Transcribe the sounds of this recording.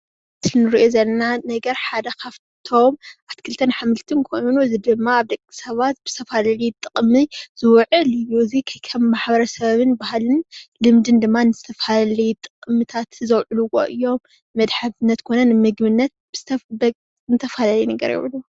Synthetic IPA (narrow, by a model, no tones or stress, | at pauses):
t̪ʰɨnɨɾiʔozɐlːɐnanɐɡɐɾħad̪ɐkʰaβ | t̪ʰo̞mʔat̪kʰɨlt̪ʰɐnħamɨlt̪ʰɨnkʰo̞jnuzid̪ɨmːaːβd̪ɐkʼːi̥sɐβat̪̚bɨz̥ɨt̪ʰɐfalɐlit̪ʼɨkʼmːizɨwʕɨlɨjuzikʰɐjkʰɐmːaħbɐɾɐsɐβɨnbahlɨnlɨmd̪ɨnd̪ɨmːanɨzɨt̪ʰɐfallɐjut̪ʼɨqʼmɨt̪ʰat̪zɐwʕɨluwo̰ʔɨ̰jːo̞mː | ɐd̪ħaβnːɐt̪kʰo̞nɐnmɨɡmɨnːɐt̪̚b̥ɨ | nɨt̪ʰɐfalɐlɐjnɐɡɐ̰ɾjɛ̰βlu